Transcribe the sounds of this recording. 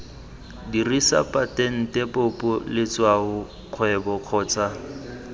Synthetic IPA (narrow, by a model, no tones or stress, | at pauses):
dirisa̰pʼatʼɛn̩tʼɛpʼopʼʊlɪt͡swaʊ | q͡χʰwɛbɔq͡χʰɔːt͡sʼa